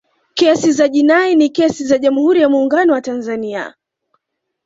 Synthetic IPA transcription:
kɛsizaʄinainikɛsizaʄamuhuɾijamuːŋɡanɔwatanzania̰

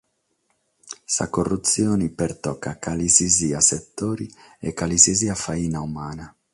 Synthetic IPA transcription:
sa̰korːut̪sjɔːnipɛrt̪ɔkːakaliziziaset̪ːoːɾiɛkːaliziziafaiːnaumaːna

